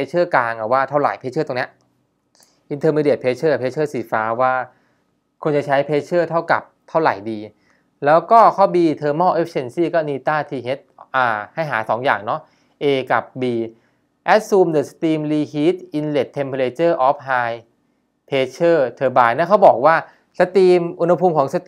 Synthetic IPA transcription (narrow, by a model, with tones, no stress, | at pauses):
e˧˥t͡ɕʰɤː˥˩kaː˧ŋa˨˩waː˥˩t̪ʰa˥˩wɾa̰˨˩˦jpʰeː˧˥t͡ɕʰɤː˥˩t̪o˧ni˦˥ɐ | ʔi˧nt̪ʰɤː˧miː˧di˨˩t̚pʰeː˧˥t͡ɕʰɤː˥˩˨pʰeː˧˥t͡ɕʰɤː˥˩siː˨˩faː˦˥waː˥˩ | kʰo˧nt͡ɕa˨˩t͡ɕʰa˦˥jpʰeː˦˧˥t͡ɕʰɤː˥˩t̪ʰa˥˩wka˨˩p̚t̪ʰa˥˩wɾa̰˨˩jdiː˧ | lɛː˦˥wkɔː˥˩kʰa˥˩wbiː˧t̪ʰɤː˧mɔː˥˩ʔe˦˥p̚se˧nsiː˥˩kɔː˥˩niː˧t̪aː˥˩t̪ʰiː˧ɦe˦˥t̪̚ʔaː˧˩ha˥˩jɦaː˩˦sɔː˩˦ŋja̰ː˨˩ŋnɔ˦˥ | ʔeː˧ka̰˨˩p̚biː˧ | ʔɛ˦˥t̪̚suː˧mdɯː˨˩sḁ˧t̪iː˧mliː˧hiː˦˥t̪̚ʔi˧nle˨˩t̪ʰːe˧mpʰo˧leː˧t͡ɕɤː˥˩ʔɔː˦˥p̚haː˧j | pʰeː˧˥t͡ɕʰɤː˥˩t̪ʰɤː˧baː˧jnɛː˦˥˩kʰa˦˥wbɔː˨˩k̚waː˥˩ | sa˧t̪iː˧mʔu˧nha˧pʰuː˧mkʰɔː˩˦ŋsa˧t̪ː